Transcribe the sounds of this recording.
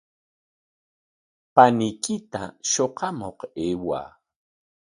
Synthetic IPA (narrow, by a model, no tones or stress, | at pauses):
panɪjkɪt̪a̰ʃoqɑmoqeːwa̰ː